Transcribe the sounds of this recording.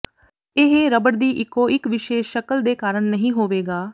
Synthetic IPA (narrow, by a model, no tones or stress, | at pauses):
ɪɦeːɾəbəɽd̪iːʔɪkːõːɪkʋɪʃeːʃʃəkəld̪eːkaːɾəɳnəɦĩːɦoːʋeːɡaː